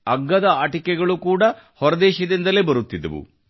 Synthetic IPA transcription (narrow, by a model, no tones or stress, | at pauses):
ɐɡːɐd̪ɐaːʈikːɛɡɐɭukuːɽɐ | hɔɾɐd̪ɛːʃɐd̪ind̪ɐlebɐɾut̪ːid̪ːɐʋṵ